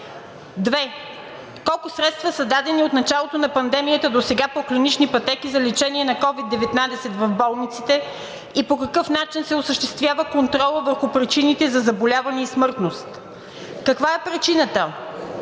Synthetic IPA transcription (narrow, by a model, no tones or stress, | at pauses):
d̪vɛ | kɔlˠkʊsɾɛt̪st̪vəsəd̪ad̪ɛniot̪nɐt͡ʃalˠot̪onɐpɐnd̪ɛmijət̪əd̪osɛɡapoklʲinit͡ʃnipɐt̪ɛkizɐlit͡ʃɛniɛnɐkɔvid̪ːɛvɛt̪nad̪ɛsɛt̪vɐvbɔlˠnit̪sit̪ɛ | ipokɐkɤfnat͡ʃinsɛosəʃt̪ɛst̪vʲjavəkont̪ɾɔlˠəvəɾxʊpɾit͡ʃinit̪ɛzɐzɐbolʲavɐnɛismɤɾt̪nost̪ | kɐkvaɛpɾit͡ʃinət̪ə